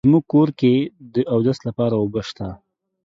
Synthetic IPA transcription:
muɡ̚koɾked̪əʔawd̪ast̪lapɑɾawobaʃt̪a

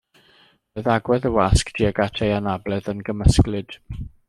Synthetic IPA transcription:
məðaɡwɛðəwaskd̥ʰiəɡatʰejanablɛðənɡəməsklɨd̥

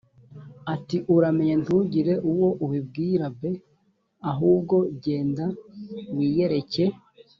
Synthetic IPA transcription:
atiʔuɾame̞ɲen̥tuɟiɾe̞ʔuwo̞ʔuβib̚ɡiːɾabe | aɦuːb̚ɡo̞ɟe̞ːndawiːje̞ɾe̞ce̞

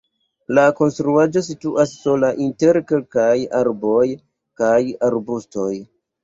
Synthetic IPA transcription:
lako̞nstɾuad͡ʒo̞s̬ituʔasːo̞laʔinte̞ɾke̞lkajaɾbo̞j | kajaɾbusto̞j

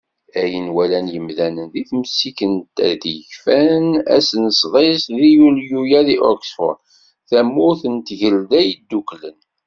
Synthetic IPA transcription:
æjənwælænjəmðænənðiθməsːikənt̪æ̰d̪içfænæ̰snəsˤðˤesðijuljujæðiʔɔksfɔ̰ɾ | θæmːʊθənt̪ʝəld̪æjəd̪ːuklən

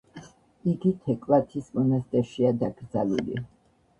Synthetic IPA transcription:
iɡit̪ʰɛkʼvlat̪ʰismɔnast̪ʼɛɾʃiad̪aɡɾd̪zalṵlḭ

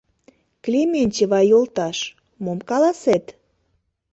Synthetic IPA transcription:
klʲemʲenʲt͡ɕeβɑjolt̪ɑʃ | momkɑlɑset̪

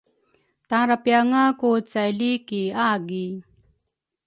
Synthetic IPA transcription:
t̪aɾapjaŋakut͡sajlikiaɡi

